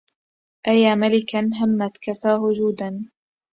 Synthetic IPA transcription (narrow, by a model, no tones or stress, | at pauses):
ʔajaːmalɪkanɦamːat̪kafaːhʊd͡ʒuːd̪an